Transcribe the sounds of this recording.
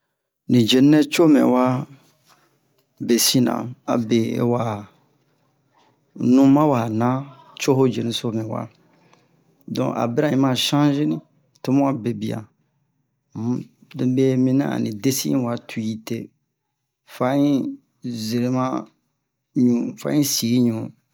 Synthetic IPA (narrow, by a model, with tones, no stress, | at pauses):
nĩ˨d͡ʒe˨nɛ̃˦t͡ʃo˦mɛ̰̃˨wa˦ | be˨si˦nã̰˨a̰˨be˨ḛ˦wa˨ | nũ˦mã˦wa˨nã˦ | t͡ʃo˦ɦo˦d͡ʒe˨nĩ˦so˦mɛ̃˨wa̰˦ | dɔ̰̃˨ʔa̰˨be˦ɾa˦ɲĩ˦mã˦˨ʃã˦ʒi˦nĩ˦ | to˦mũ˦a˨be˨bi˨a̰˨˦ | de˨˦be˦mĩ˦nã̰˦a̰˨nḭ̃˨de˦si˦ḭ̃˦wa˨tʰu˨ji˨te˦ | fa˦ɲĩ˦ | ze˨ɾe˨˦mã˦ | ɲũ˨fa̰˦ɲĩ˦si˨˦ɲũ˨